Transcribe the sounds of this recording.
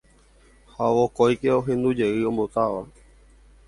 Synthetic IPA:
haʋokojkeo̞ɦẽ̞nd̪ud͡ʒe̞ɨõ̞mbot̪aʋa

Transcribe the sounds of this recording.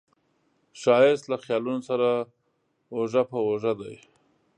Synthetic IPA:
ʃɑjɪst̪laxjɑlunosaɾa | oʒapəwoʒad̪aj

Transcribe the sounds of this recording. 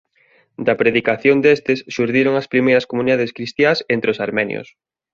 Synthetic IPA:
d̪ɐpɾeðikaθjond̪est̪ɪsʃuɾðiɾoŋɐspɾimejɾɐskomuniðaðeskɾist̪jasent̪ɾɪosaɾmɛnj̰o̰s

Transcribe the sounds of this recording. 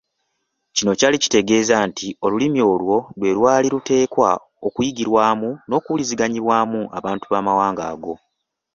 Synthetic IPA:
cino̞calici̥te̞ɡe̞ːzaːntʰio̞lulimio̞ːlwo̞lwe̞ɾwaːliɾute̞ːkwa̰ | okujiɡiɾwaːmuno̞ːkuuliziɡaɲiβwaːmua̰βaːntuβamawaːŋɡa̰ːɡo̞

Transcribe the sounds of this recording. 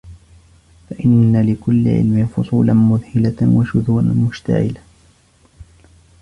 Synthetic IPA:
faʔɪnːalɪkʊlːɪ̰ʕɪ̰lmɪfʊsˤuːlanmʊðhɪlawaʃʊðuːɾamʊʃt̪a̰ʕɪ̰la

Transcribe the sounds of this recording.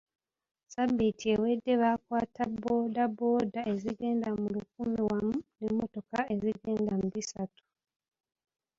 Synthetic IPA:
sabːitiewe̞dːe̞βakwaːtabːodabo̞ːdaʔe̞ziɡe̞ːndamuluk̚umiwamunemːo̞to̞kae̞ziɡe̞ːndamuβisatu̥

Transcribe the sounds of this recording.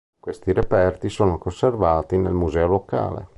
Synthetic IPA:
kwest̪iɾepɛrt̪isoːnokonservaːt̪inḛlmuzɛːoloka̰ːlḛ

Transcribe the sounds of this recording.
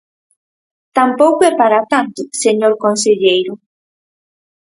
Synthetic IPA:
t̪ampɔkuɛpːaɾat̪ant̪useɲoɾkonsiʎɛjɾʊ

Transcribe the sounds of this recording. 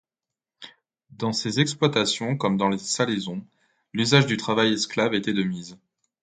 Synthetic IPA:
d̪ɑ̃sezɛksplwat̪asjɔ̃kɔmd̪ɑ̃lesalezɔ̃ | lyzaʒd̪yt̪χavajɛsklavet̪ed̪əmiz

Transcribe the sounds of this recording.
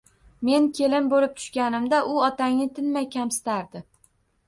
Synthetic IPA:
me̞nkʲʰe̞lɪmbolɪp̚t̪ʰʊ̥ʃkʲanɪmd̪aʔʊɒt̪aŋnɪt̪ʰɪnmajkʲamsɪ̥t̪aɾd̪ɪ

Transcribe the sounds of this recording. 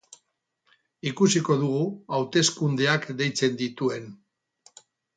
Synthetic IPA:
ikusiko̞ðuɣ̞uawt̪e̞skund̪e̞akd̪e̞jt͡se̞nd̪it̪ue̞n

